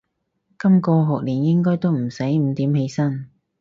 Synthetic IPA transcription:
kɐ˥mkɔː˧ɦɔː˨k̚liː˨˩njɪ˥ŋkɔː˥jt̪o˥wm̩˨˩sɐ˨˥jm̩˨˧˥t̪iː˨˥mhe˨˥jsɐ˥n

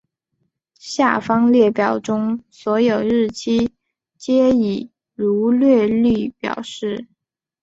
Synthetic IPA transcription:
ɕja̰˥˩fɑ˥ŋljɛ˥˩pjɑ˨˩ʊʈ͡ʂʊ˥ŋswɔ˧˥jo˨˩ʊɻɻ̩˥˩t͡ɕʰi˥ | t͡ɕjɛ˥i˨˩ | ɻu˧˥lɥɛ˥˧ly˥˩pjɑ̰˨˩ʊʂɻ̩˥˩

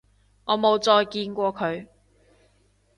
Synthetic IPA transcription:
ŋɔː˨˧mo˨˧wt͡sɔː˧jkiː˧nkʷɔː˧kʰɵ˨˧ɥ

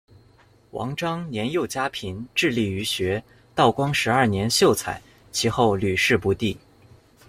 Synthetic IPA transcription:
wɑ̰˧˥ŋʈ͡ʂɑ˥ŋnjɛ˧˥njo˥˩ʊt͡ɕja˥pʰi˧˥nʈ͡ʂɻ̩˥˧li˥˩y˧˥ɕɥɛ˧˥ | t̪ɑ˥˩ʊkwɑ˥ŋʂɻ̩˧˥ɐ˞˥˩njɛ˧˥nɕjo˥˩ʊt͡sʰa̰˨˩˦ɪ | t͡ɕʰi˧˥xo˥˩ʊly˨˩ʂɻ̩˥˧pu˧˥t̪i˥˩

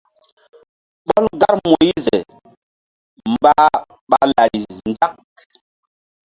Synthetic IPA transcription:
ɓɔ˦lɡa˦ɾmo˨i˦ze˨ | mba˦ | ɓa˨la˨ɾi˨nd͡ʒa˦k̚

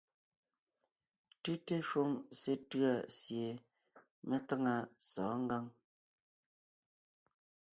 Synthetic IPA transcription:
tʉ˦te˦ʃwo˦ŋse˦tɰa˨sje˨ | me˦ta˦ŋa˦sɔː˨˦ŋ˦ɡa˦ŋ

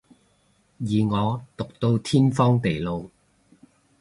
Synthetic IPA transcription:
jiː˨ŋɔː˨˧t̪ʊ˨k̚t̪o˧wt̪ʰiː˥nfɔː˥ŋt̪e˨˩jlo˨˧w

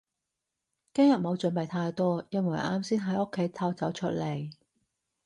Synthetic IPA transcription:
kɪ˥ŋjɐ˨t̚mo˨˧wt͡sɵ˨˥npe˨jt̪ʰaː˧jt̪ɔː˥jɐ˧nwɐ˨˩jʔaː˧˥msiː˥nɦɐ˨˥jʔo˥kʰːe˨˥jt̪ʰɐ˧wt͡sɐ˨˥wt͡ʃʰɵ˥t̚le˨˩j

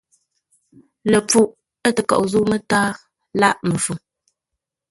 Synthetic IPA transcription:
lə˨p͡fu˦ʔ | ə˦tə˨kɔ̰˨ʔzu˦mə˦taː˦ | la˦ʔmə˨fu˨m

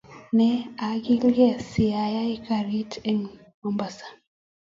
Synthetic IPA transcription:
nɛ˨a˨ɡi˦ljɛ˦˨si˨a˨ja˦i˦ka˨ɾi˦tʰɛ˨ŋ | mɔ˨mba˨sḁ˨

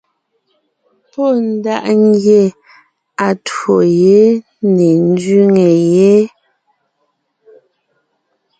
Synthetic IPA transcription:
po˦˨n̩˦da˦ʔŋ˦ɡje˦˨ | a˨two˨je˨˦ | ne˨n̩˦dɥi˦ŋe˨je˨˦

